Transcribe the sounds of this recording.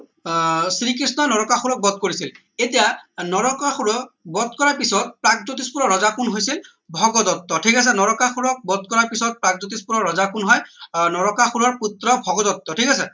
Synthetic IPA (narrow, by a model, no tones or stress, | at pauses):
sɹikɹisnɔnɔɹɔkaxuɹɔk̚bɔd̪̚koɹisil | etijanɔɹɔkaxuɹɔbɔd̪kɔɹaɹpisɔt̚pɹaɡ̚zutispuɹɔɹɔzakʰunɦojsil | bʱɔɡɔd̪ɔt̪ːɔʈʰikas̬ɛnɔɹɔkaxuɹɔk̚bɔd̪̚kɔɹaɹpisɔt̚pɹaɡ̚zut̬ispuɹɔɹɔzakunɦɔjnɔɹɔkaxuɹɔɹput̪ɹɔbʱɔɡɔd̪ɔt̪ːɔʈʰikasɛ